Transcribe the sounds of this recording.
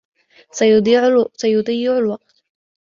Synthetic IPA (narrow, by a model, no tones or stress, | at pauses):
sj̪iːʕsajʊd̪ˤɑjːɪʕʊlwɑq̚t̪